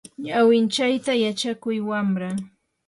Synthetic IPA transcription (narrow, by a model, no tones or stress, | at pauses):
ɲawɪnt͡ʃajt̪ajat͡ʃakʊjwamɾaŋ